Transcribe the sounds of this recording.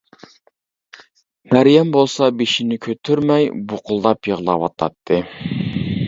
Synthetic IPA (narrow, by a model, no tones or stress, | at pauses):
mæɾjɛmbolˠsɑbeʃinɪkʲʰøt̪ʰyɾmɛjboqʰʊlˠd̪ɑpjəʁlˠɑwɑt̪ʰɑ̰t̪ʰːɨ